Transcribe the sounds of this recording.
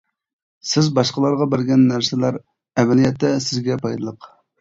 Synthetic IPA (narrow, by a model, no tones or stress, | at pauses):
sɪzbɑʃqəlˠɑɾʁɑbæɾɡʲɛnːæɾsɪlæɾ | ɛvælijɛt̪ʰːɛsɪzɡʲɛpʰɑjd̪ɨlˠəq